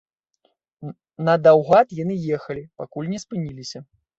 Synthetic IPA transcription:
nɐd̪awɣat̪janɨjɛxɐlʲipakulʲnʲɛspɨnʲilʲisʲɐ

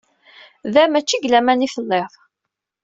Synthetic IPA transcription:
ðæmæt͡ʃːiɡlæmænifəlːeðˤ

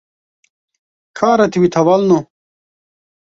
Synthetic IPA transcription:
kʰaːɾɐt̪iwit̪ʰɐwɐlno

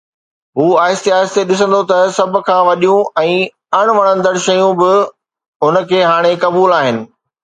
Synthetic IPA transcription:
ɦuːaːɪst̪eaːɪst̪eɗɪs̬ə̃nd̪ot̪ɐsɐbʱʊ̆kʰãːʋɐɗijũɛ̃ː | ɐɽ̃ʋɐɽ̃ə̃nd̪əɽʃɐjũbɪ | ʊnə̆kʰeːɦaːɽ̃ekɐbuːlaːɦɪnɪ̆

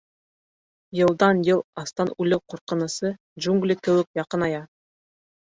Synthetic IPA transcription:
jɤ̆lˠd̪ɑnjɤlˠɑst̪ɑnʉlɘwquɾqɤ̆nɤ̆sɤ | dʒuŋɡlʲikɘ̆wɘk̚jɑqɤnɑjɑ

